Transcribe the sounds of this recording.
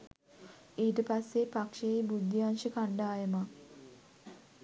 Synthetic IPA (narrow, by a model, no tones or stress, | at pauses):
iːʈəpasːepakʂejejbud̪ːjianʃəkaɳɖaːjəma